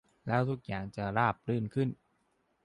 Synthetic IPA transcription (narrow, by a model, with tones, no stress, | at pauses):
lɛː˦˥wt̪ʰu˦˥k̚jaː˨˩ŋt͡ɕa˨˩ɾaː˥˩p̚ɾɯː˥˩nkʰɯ˥˩n